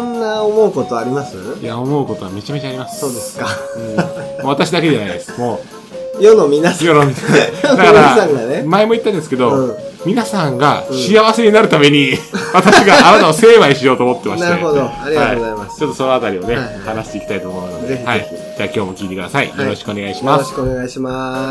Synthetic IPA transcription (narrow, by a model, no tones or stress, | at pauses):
nnːaomo̞ɯko̞t̪oaɾʲimasɨjaomo̞ɯ̟ko̞t̪o̞βame̞t͡ɕame̞t͡ɕaːɾʲimasɨ̥soːd̪esɨ̥kaɯ̃moːat̪aɕid̪ake̞d͡ʒanaid̪e̞sɨ̥mo̞ː | jonomʲinasjonod̪akaɾasãŋɡanemaemo̞it̪ːãnd̪e̞sɨ̥ke̞d̪õ̞mʲinasãŋɡaɕiaβase̞ɲ̟inaɾɯ̟t̪ame̞ɲ̟iβat̪aɕiɡaʔːnat̪aose̞ːmaiɕijo̞ːt̪oːmo̞t̪ːe̞mainaeɯeod̪oaɾʲiaiaimast͡ɕo̞t̪ːo̞sono̞at̪aɾʲione̞hanaɕi̥t̪e̞iki̥t̪ait̪oːmo̞ɯno̞d̪ehaid͡ʑaːkʲo̞ːmo̞kʲiːt̪e̞kɯd̪asaḭjoo̞ɕi̥kɯo̞neɡaiɕimaskoneɡaiɕima